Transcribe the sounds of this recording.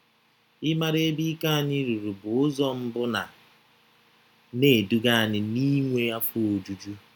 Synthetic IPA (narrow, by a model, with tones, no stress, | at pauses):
ɪ˦ma˦ɾe˦bi˦ka˦a˨ni˦ɾu˨ɾu˨bʊ˨ʊ˦zɔ˦m̩˦bʊ˦na̰˨ | ne˨du˦ɡa˦a˨nɪ˦ni˦ŋʷe˦a˦fʊ˦o˨d͡ʒu˨d͡ʒu˦